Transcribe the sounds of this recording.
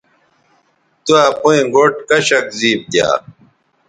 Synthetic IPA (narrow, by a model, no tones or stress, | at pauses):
t̪uapuĩɡoːʈkɐɕɐkziːb̚t̪ja̰ː